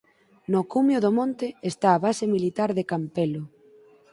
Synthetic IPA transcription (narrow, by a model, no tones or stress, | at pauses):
nokumjoʊðomõnt̪ɪest̪aːβasemilit̪aɾðekampelʊ